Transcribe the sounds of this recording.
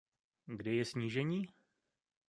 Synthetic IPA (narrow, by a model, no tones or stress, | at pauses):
ɡdɛjɛsɲiːʒɛɲiː